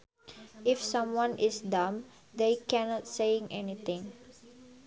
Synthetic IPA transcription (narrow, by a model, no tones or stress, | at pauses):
ɪfsãmwãnʔɪsdãm | d̪ekɛnɔtseɪ̃ŋɛnit̪ɪ̃ŋ